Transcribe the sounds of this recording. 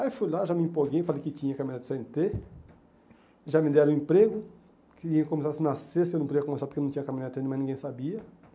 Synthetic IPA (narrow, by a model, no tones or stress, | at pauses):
ajfujlaʒamɪĩmpoɡejfalejkɪt͡ʃ̪ĩɲɐkamĩad̪ɪseẽnt̪e | ʒamɪd̪ɛɾɐ̃ẽpɾeɡʊ | kɪĩkõmes̬asɪnasesewnɐ̃pod͡ʒiɐkõmesaɾpoɾkewnɐ̃t͡ʃĩɲ̃ɐkamĩnad̪t̪ẽnmaznĩŋɡẽj̃sabiɐ